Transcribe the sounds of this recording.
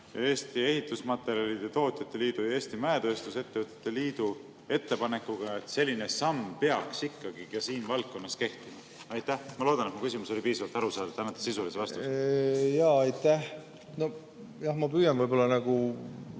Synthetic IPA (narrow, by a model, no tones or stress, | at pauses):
jɑe̞ːst̪ie̞ɦit̪ˑːusmɑt̪ːe̞ɾjɑlid̪̥et̪o̞ːt̪ʲˑjɑt̪ːe̞liːd̪̥ujɑe̞ːsʲt̪imæet̪ø̞ːst̪use̞t̪ːevɨt̪ːˑe̥t̪ˑːe̞liːd̪̥u | e̞t̪ːe̞pɑne̞kːˑuɡ̥ɑe̞t̪se̞lʲːine̞sɑmpeɑksikːɑɡikɑsiːnvɑlt̪̚kːo̞nːɑske̞ht̪imɑ | ɑjt̪ːˑæhmɑlo̞ːd̪ɑnet̪mukysimuso̞lʲipiːsɑvɑlt̪ɑɾusɑːd̪ɑt̪ːænːet̪ːˑɑ̥sisulisevɑst̪u | jɑːɑjt̪æh | no̞ | jɑhmɑpyːjɑnvɤjbo̞lːɑnæɡ̥u